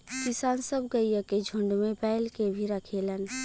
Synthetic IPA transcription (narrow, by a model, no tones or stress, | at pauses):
kisaːnsəbɡəjəked͡ʒʱʊ̃ɳɖmẽpɛɪlkebʱiɾəkʰeːlən